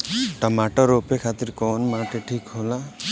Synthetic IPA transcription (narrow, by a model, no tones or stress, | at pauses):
ʈamaʈɔɾopekʰat̪iɾkɔnmaʈeʈʰikɦola